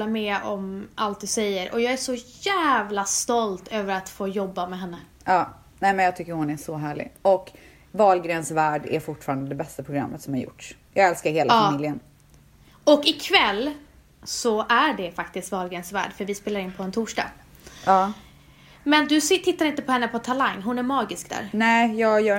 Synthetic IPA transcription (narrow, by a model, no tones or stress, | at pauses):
amɛɔmʔalt̪̚d̪ɵsɛjːəɾʔɔjɑːɡæʂɔjæːvlast̪ɔlt̪øːvəɾat̪foːjɔbːamɛɦɛnːə | ɑː | nɛmɛnjɑːɡ̚t̪ʏkːəɾhʊnæʂɔɦæːɭɪ̰ɡɔk | vɑːlɡɾɛnsvæːɖæ̰ɾfʊʈfɑːɾand̪əd̪ɛbɛst̪apʰɾʊɡɾa̰mːət̪sɔmhaɾjʊ̰ʈʂjɑːɡɛlskaɾheːlafaːmɪljən | ɔkɪkʰvɛlː | sɔʔæɖɛfakt̪ɪst̪vɑːlɡɾɛnsvæ̰ːɖfœɾvɪspeːlaɾɪnpʰɔɛnt̪ʰuːʂɖɑ̰ːɡ | ɑː | mɛnd̪ɵsɪt̪ʰɪt̪ːaɾɪnt̪əpʰɔhɛnːəpʰɔt̪ʰalaŋnɦʊnæɾmɑːɡɪskd̪æ̰ːɾnɛjɑːɡjœː